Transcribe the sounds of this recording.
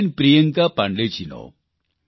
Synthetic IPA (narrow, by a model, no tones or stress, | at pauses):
npɾijɐŋɡapɐɳɖet͡ɕino̰ː